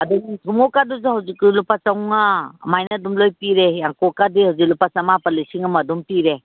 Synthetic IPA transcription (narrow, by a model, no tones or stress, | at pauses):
ɐduŋtʰumokaduzahawziklupasɐwŋa̰ːmajnadumlojpiɾejaŋkokadihawziklupasɐmapɐlisiŋamɐdumpiɾe